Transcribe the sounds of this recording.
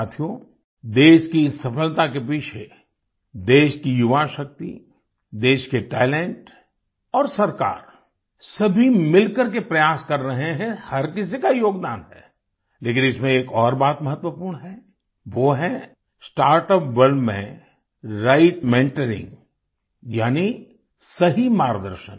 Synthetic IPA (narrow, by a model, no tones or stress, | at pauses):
aːt̪ʰijõ | d̪eːʃkisɐfəlt̪akepiːt͡ʃʰe | d̪eːʃkijʊʋaʃək̚t̪ḭ | d̪eːʃkeʈɛːlɛ̃ɳʈ | ɔːɾsɐɾka̰ːɾ | sɐbʱimɪlkəɾk̬epɾɐjaːskɐɾːɐɦeɦɛ̃hɐɾkɪs̬ikajoːɡd̪aːnɦɛ̰ː | leːkɪ̃nɪsmẽeːkɔːɾbaːt̪mɐɦət̪ʋəpuːɾɳɦɛ | ʋoːɦɛ̃ | sʈaːɾʈəpʋəɾɖmḛ̃ | ɾaɪʈmẽːɳʈəɾɪ̰̃ŋɡ | jaːni | sɐɦimaːɾd̪ə̰ɾʃə̰n